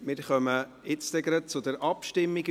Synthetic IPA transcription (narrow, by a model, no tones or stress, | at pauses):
mɪɾχœmə | ɪt͡stɛɡɾət͡sʊd̪əɾʔɑpʃtɪmːiɡ